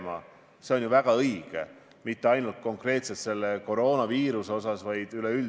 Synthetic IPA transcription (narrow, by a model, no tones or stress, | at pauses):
mɑ̰ | se̞o̞njuvæɡ̥ɑɤjɡ̥ḛ | mit̪ːe̞ɑjnult̪̚ko̞ŋkre̞ːt̪se̞t̪se̞lːe̞ko̞ɾo̞ːnɑviːɾuseo̞sɑsvɑjd̪̥yleyl